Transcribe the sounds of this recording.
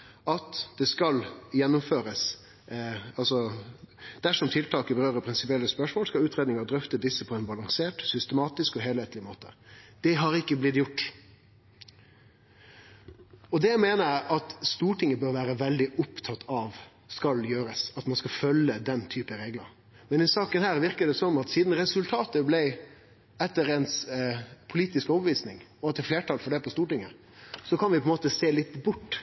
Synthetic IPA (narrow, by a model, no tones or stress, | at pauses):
ɑt̪d̪̥ɛskɑljɛnːʊmføːɾəs | ɑlsɔ | d̪̥æʂɔmt̪ʰɪlt̪ʰɑːkəbəɾøːɾəpʰɾɪnsɪpɪɛlːəspœʂmoːlskɑlʉːt̪ɾeːd̪nɪŋɑɾd̪ɾœft̪əd̪ɪsːəpʰɔɛnbɑlɑŋseːʈsʏst̪əmɑːt̪ɪskɔɦeːlheːt̪lɪmoːt̪ə̰d̪̥ɛɦɑɾɪkːəblɪt̪jʊʈː | ɔd̪ɛjæɪmeːnəɾæʔɑt̪st̪uːʈɪŋːəbøːɾʋæːɾəʋɛld̪ɪʔʊpt̪ʰɑt̪ʰːɑʋ | skɑljøːɾəsɑt̪mɑnskɑfœlːəd̪ɛnt̪ʰyːpəɾeːɡlə̰ɾ | mɛnɪsɑːkənhæːɾʋɪɾkəɖ̪ɛsɔmɑt̪siːd̪n̩ɾɛsʉlt̪ʰɑːt̪əblɛɪ | ɛt̪ːəɾɛnspʰʊliːt̪ɪskɔːbəʋiːsnɪ̰ŋɔɛt̪ːəfleːʈʰɑːlfɔɖɛpʰɔst̪uːʈɪŋːə | sɔkʰɑnʋɪpʰɔɛnmoːt̪əseːlɪt̪bʊʈː